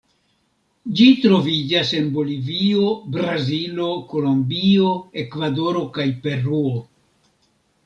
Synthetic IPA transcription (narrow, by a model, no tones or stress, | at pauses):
d͡ʒitɾo̞vid͡ʒase̞nbo̞livio̞bɾazilo̞ko̞lo̞mbio̞e̞kvado̞ɾo̞kajpe̞ɾuo